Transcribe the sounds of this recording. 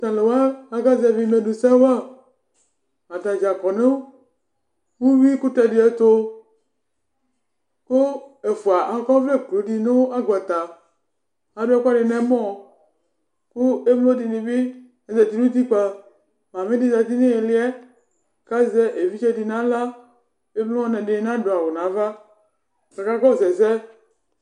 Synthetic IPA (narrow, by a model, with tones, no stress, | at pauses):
t̪a˨le˨wa˦a˦ɡa˦zɛ˨vi˦me˨du˨sɛ˦wa˦ | a˨t̪a˨d͡ʒa˨kɔ˨ne˦wo˦ | wu˦wi˦ku˦t̪ɛ˨di˨˦ɛ˨t̪o˦ | ko˦e˨fu˨a˨ʔa˨kɔ˦ve˦k͡plo˨˦di˨ne˦a˦ɡɔ˨t̪a˨ | a˨ba˦ku˦a˦de˨nɛ̃˨˦mɔ̃˦˨ | ku˦e˦m˦lo˦di˨ni˨bi˦ | ɛ˨zɛ˨ti˦ɾu˦t̬i˦k͡pa˨ | ma˨mi˦di˦za˨ti˦ni˦e˨li˦ɛ˦ | ka˦zɛ˦ʔe˨vi˦t͡ʃɛ˦di˨na˦la˦ | e˦m˦lo˦ɔ˦nɛ˨di˨˦na˦du˨a˨wo˨na˨˦va˦ | ka˨ka˦ɡɔ˦˨zɛ˨zɛ˦